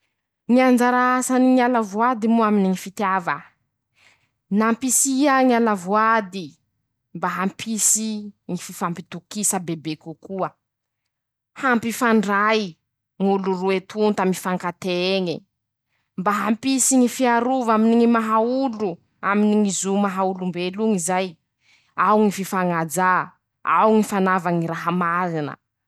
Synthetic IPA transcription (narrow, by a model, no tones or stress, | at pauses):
ŋiand͡ʒaɾaasaniŋialavuad̪imuaminiŋifit̪javə | nampisiaŋialavuad̪i | mbaɦampʰisiŋififampit̪ukisəbebekukuə | hampifaɳɖ͡ʐaj | ŋuluruet̪unt̪amifaŋkat̪eeŋi | mbaɦampisiŋifiaɾuvaminiŋimaɦaulu | aminiŋizumaɦaulumbeluŋizaj | awŋififaŋad͡za | a̰wŋifanavaŋiɾaɦamaɾinə̰